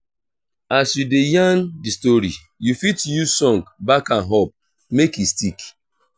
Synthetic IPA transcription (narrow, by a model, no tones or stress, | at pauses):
asjudejãndistoɾḭ | jufitjusɔ̃ŋkbakãnɦɔp̚ | mekjustik